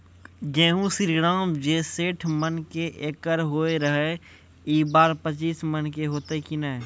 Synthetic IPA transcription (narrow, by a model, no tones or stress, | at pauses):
d͡ʒẽːɦũsɪɾɡɾaːmd͡ʒeːseːʈʰmənkeʔeːkːəɾɦoːeɾəɦe | iːbaːɾpət͡ʃiːsmənkeɦoːt̪ekinaɛ